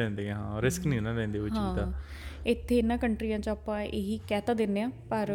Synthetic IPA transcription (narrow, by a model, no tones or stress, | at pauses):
ɛ̃ːnd̪eːãːɦãːɾɪsknĩːnãːlɛ̃ːnd̪eːʋɪɦt͡ʃːãit̪aː | ɪt̪ʰːeːɪnːãːkəɳʈɾiːjãːt͡ʃaːpãːʔeːɦiːkɛːt̪ãːd̪ɪnːeːãːpəɾ